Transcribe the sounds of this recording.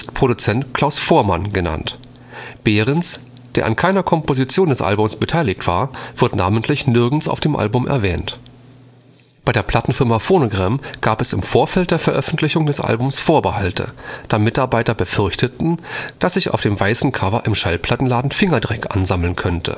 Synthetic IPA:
ɪstpʁ̥oɾut͡sɛntkʰl̥aʊsfoːɐmanɡəna̰nt | b̥eːʁ̞əns | d̥eːɐʔankʰaɪnɐkʰɔmpozit͡sjoːndɛsʔa̰lbʊmsb̥ətʰaɪlɪçtv̥a̰ːɐv̥ɪɐtna̰ːməntlɪçnɪɐɡn̩sa̰ʊfd̥eːmʔa̰lbʊmʔɛ̰ɐvɛːnt | b̥aɪdeːɐpʰl̥atn̩fɪɐmafoːnoɡʁɛmɡ̥aːpɛsɪmfoːɐfɛlt̚d̥eːɐfɛɐʔœfn̩tʰlɪçʊŋdɛsʔa̰lbʊmsfoːɐbəhaltʰə̰d̥aːmɪtaɐbaɪtɐbəfʏɐçtʰətn̩d̥asz̥ɪça̰ʊfd̥eːmvaɪsn̩kʰavɐʔɪmʃalpʰl̥atn̩laːdn̩fɪŋɐdʁɛkʔa̰nzaml̩nkʰœntʰə̰

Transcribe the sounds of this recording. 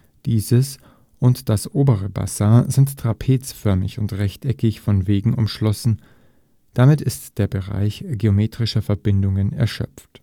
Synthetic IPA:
d̥iːzəs | ʔʊntd̥asʔoːbəʁ̞əba̰saɐzɪnttʁ̥apʰeːt͡sfœɐmɪçʊntʁɛçtʰɛkɪçfɔnveːɡŋ̩ʔʊ̰mʃlɔsn̩ | d̥amɪtɪstd̥eːɐbəʁa̰ɪçɡ̥eomeːtʁ̥ɪʃɐfɛɐbɪndʊŋənɛ̰ɐʃœ̰p͡ft

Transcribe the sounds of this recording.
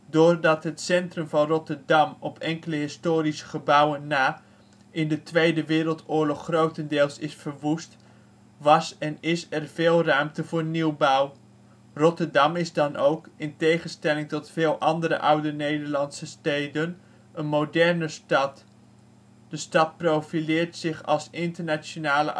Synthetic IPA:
dʊːɹdɑtɦətsɛntrɵmvɑnrɔtəɹdɑmɔpʰɛŋkələɦɪstoːɾisə̥χəbʌwənːaː | ɪndətʋejdəʋɪːɾəlˠtʊːɹlɔχːrowtəndɪːlˠsɪsfəɹʋust | ʋɑsɛnɪsɛrveːlˠrœɥmtəvʊːɹniwbʌw | rɔtəɹdɑmɪzdɑnowkɪntejχənstɛlɪŋtɔtfɪːlˠʔɑndəɾə̰ʔʌwdənejdəɹlɑntsəstejdən | ənmodɛɹnəstɑt | d̥əstɑt̚prowfilɪːɹtsɪχɑ̰lˠsɪntəɹnaonaːlə̰

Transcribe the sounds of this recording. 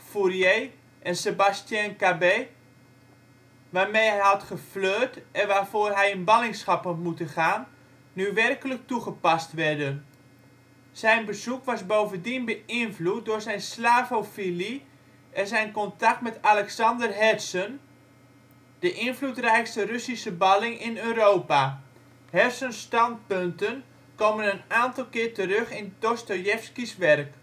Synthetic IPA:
furjeː | ʔɛnsebastjankabeː | ʋaːrmejɦɛjɦɑtχəfløːtʔɛnʋaːrvoːrɦɛjɪnbɑlɪŋsχaphɔtmutəχaːnː | yʋɛrkələk̚tuχəpastʋɛrdən | sɛjnbəzukʋasbowvəndinbəɪnflut̚dʊːɹsɛjnslaːvofili | ɛnzɛjnkɔntak̚tmɛtalɛksɑndərɦɛsən | d̥əʔɪnflutrɛjkstərøsisəbɑlɪŋɪnøːroːpa | hɛrsənstɑnt̚pøntən | koːmənənaːntɑlˠkɪːrtəɾøχɪntostojɛfskisʋɛrk

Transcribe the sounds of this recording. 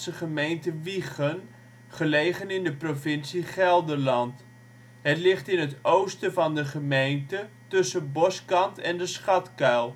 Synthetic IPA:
səχəmejntəʋiχən | χəlejχənɪndəprovɪnsiχɛlˠdərlɑnt | ɦətlɪχtɪnətowstəvɑndəχəmejntətɵsəbɔskɑntɛndəsχɑtkœlˠ

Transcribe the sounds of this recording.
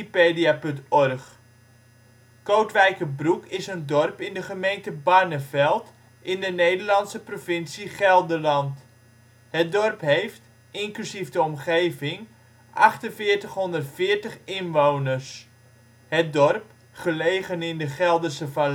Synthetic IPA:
ipeːdiapɵntɔrχ | kowtʋɛjkəbrukɪsəndɔrpɪndəχəmejntəbanəvɛlˠt | ʔɪndənejdərlɑnsəprofɪnsiχɛlˠdəlɑnt | hət̚dɔrpɦejft | ɪŋklysivdəɔmχejvɪŋ | ʔɑχtənvɪːɹtəχɦɔndərtfɪːɹtəχɪnʋownərs | hət̚dɔrp | χəlejχənɪndəχɛlˠdərsəva

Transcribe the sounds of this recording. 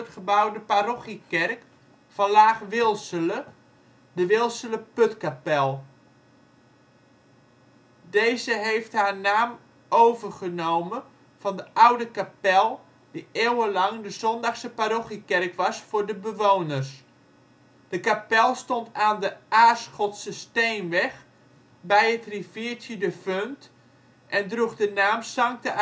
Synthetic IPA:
tχəbawdəparoχikɛrk | fɑnlaːχʋɪlˠsələ | dəʋɪlˠsələpøtkapɛlˠ | dejzəɦejftɦaːɹnaːm | ʔowvərχənowmə | v̥ɑndəʔawdəkapɛlˠ | d̥iʔeːwəlɑŋdəzɔndɑxsəpaɾoxikɛrkʋɑsfʊːɹdəbəʋownərs | d̥əkapɛlˠstontaːndəʔaːsχɔtsəsteːnʋɛx | bɛjətriviːtjədəfønt | ʔɛndruχdənaːmsɑŋk̚tə

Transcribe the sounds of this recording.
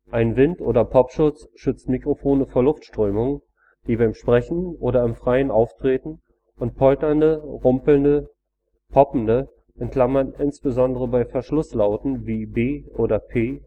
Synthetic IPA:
ʔaɪnvɪntʔoːɾɐpʰɔpʃʊt͡sʃʏt͡snmikʁ̥ofoːnəfoːɐlʊftʃtʁ̥øːmʊŋ | d̥iːbaɪmʃpʁ̥ɛçn̩ʔoːɾɐɪmfʁ̥aɪənʔaʊftʁ̥eːtn̩ | ʔʊnt̚pʰɔltɐndəʁʊmpl̩ndə | pʰɔpm̩də | ʔɛnkl̥amɐnɪnsb̥əzɔndəʁəbaɪfɛɐʃlʊslaʊtn̩viːbeːʔoːdɐpʰeː

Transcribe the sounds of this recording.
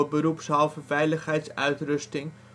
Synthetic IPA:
əbəɾupsɑlˠfəvɛjləχɦɛjtsœ̰ɥtrɵstɪŋ

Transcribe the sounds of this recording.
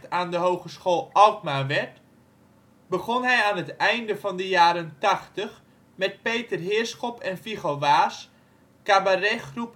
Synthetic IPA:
taːndəɦowχəsχoːlˠɑltmaʋɛɹt | bəχɔnɦɛjaːnɦətɛjndəvɑndəjaːɾəntɑχtəχ | mɛt̚pejtərɦɪːɹsχɔpʰɛnfiχoʋaːs | kabarɛχrup

